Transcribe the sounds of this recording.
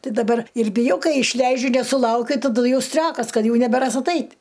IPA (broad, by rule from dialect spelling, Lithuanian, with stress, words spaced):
ˈtʲɪ dɐˈbɐr ɪr bʲɪˈjɛʊ ˈkɐɪ ɪʃʲˈlʲɛɪd͡ʒʲʊ nʲɛsʊˈlˠɐʊkʲʊ tɐˈdʊ ˈjɛʊ ˈsʲtʲrʲoːkɐs ˈkɐt ˈjɛʊ nʲɛbʲɛˈrɐs ɐˈtɐɪtʲ